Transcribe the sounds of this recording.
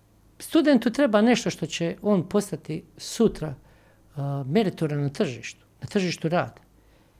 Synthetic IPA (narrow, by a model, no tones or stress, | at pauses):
st̪ud̪e̞nt̪ut̪ɾe̞baːne̞ʃt̪o̞ʃt̪o̞t͡ɕe̞o̞ːnpo̞st̪at̪isut̪ɾa | me̞ɾit̪oɾanat̪r̩ʒiːʃt̪u̥nat̪r̩ʒiːʃt̪uɾaːd̪̥a